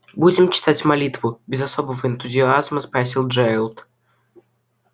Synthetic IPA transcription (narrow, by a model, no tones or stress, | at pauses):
budʲɪmt͡ɕɪ̥t̪atʲmɐlʲit̪vʊbʲɪzɐsobəvəɪnt̪ʊzʲɪazməspɾɐsʲilˠʐaɾlˠt̪